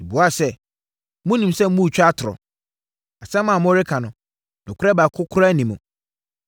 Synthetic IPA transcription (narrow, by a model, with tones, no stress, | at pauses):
i˨bu˨a˦˨sɛ˦ | mʊ̃˦nĩ˨msɛ˦m̩˦mũ˦˨t͡ɕᶣa˦tʰʊ˨ɾɔ̰˨ | a˨sɛ̃˦mːã˨mʊ̃˦ɾɪ˦kʰã˨nʊ̃˨ | nʊ̃˨kʰʊ˦ɾɛ˦ba˨kʰʊ˦kʰʊ˦ɾnĩ˨mũ˨